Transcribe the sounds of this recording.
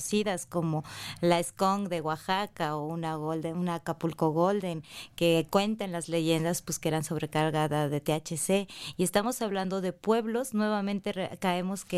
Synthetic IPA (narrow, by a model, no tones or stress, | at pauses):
siðasko̞mo̞laeskoŋd̪e̞ɣwaxakaounaɣold̪eunakapulkoɣold̪eŋke̞kwe̞nt̪enlazle̞ʝe̞nd̪aspweskeeɾanso̞βɾe̞kaɾɣaðaðe̞t̪eat͡ʃese̞ie̞st̪amosaβland̪o̞ðe̞pwe̞βlo̞znwe̞β̞amẽnt̪e̞rkaemo̞ske